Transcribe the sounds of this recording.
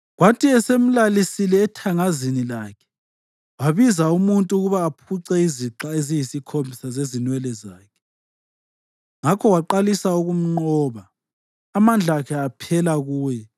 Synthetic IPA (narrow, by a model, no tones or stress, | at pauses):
ɣwatʰiɛsem̩lalisilɛːtʰaŋazinilaːkʰɛ̥ | waβizaumuntʼuɣuβaːpʰuǀɛiziǁaezijisikʰombʱisazezinwɛlɛza̰ːkʰɛ̥ | ŋakʰɔwaǃalisauɣum̩ŋ͡ǃɔːβaː | mand͡ɮʱakʰɛapʰɛlaɣuːjɛ